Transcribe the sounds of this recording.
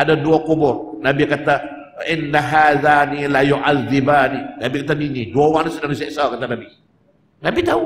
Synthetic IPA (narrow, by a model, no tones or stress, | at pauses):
ʔadaduakubʊr | nabikat̪a | ɪnːaɦaːðanilajuʔaðːibaninabikat̪aminiduawanasudahnus̬iaʔsawkat̪anabi | nabit̪au